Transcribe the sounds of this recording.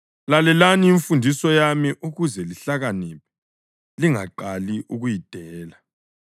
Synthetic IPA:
lalɛlaniːɱfundʱisɔjamiʔuɣuzɛliɬaɣanip̚ʰɛ | liŋaǃaliʔuɣujid̥ʱɛːla

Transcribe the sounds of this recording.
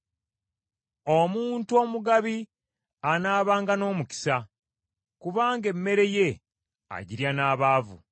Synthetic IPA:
omuːntuo̞ːmuɡaβi | anaːβaːŋɡano̞ːmuci̥sa | kuβaːŋɡe̞mːe̞ɾe̞je̞ | a̰ɟiɾjanaːβaːvṵ

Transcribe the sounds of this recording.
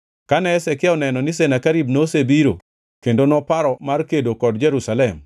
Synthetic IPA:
kanɛːsɛkɪɔnɛnɔnɪs̬enakaɾibnosebiɾo | kendonɔpaɾɔmarkedokɔdd͡ʒeɾusalɛm

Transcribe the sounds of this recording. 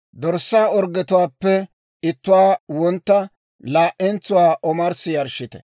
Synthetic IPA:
d̪ɔɾsːaːɔɾɡɛt̪ʊwaːpːɛ | ɪt̪ːʊwaːwɔnt̪ːɐ | laːʔɛnt͡sːʊwaːʔɔmɐɾsɪjɐɾʃɪt̪ɛ̥̰

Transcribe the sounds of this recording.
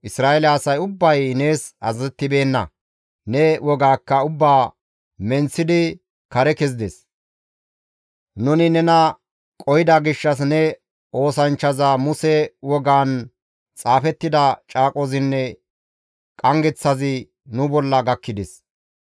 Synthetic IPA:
ʔɪsɾaːʔɛlɛːsɐjʊbːɐjne̞ːsɐ̰zɐzɛt̪ːɪbe̞ːnːɐ̰ | nɛwʔɔɡaːkːɐʊbːaː | mɛnt͡sːɪd̪ɪ | kɐɾɛkɛzɪd̪ɛs | nʊnɪnɛnɐ | kʼɔjɪd̪ɐɡɪʃːɐs̬nɛ | ʔo̞ːsɐnt͡ʃːɐzɐmʊsɛwɔɡaːn | t͡sʼaːfɛt̪ːɪd̪ɐt͡ʃʼaːkʼɔzɪnːɛ | kʼɐŋɡɛt͡sːɐzɪ | nʊbɔlːɐɡɐkːɪd̪ɛs

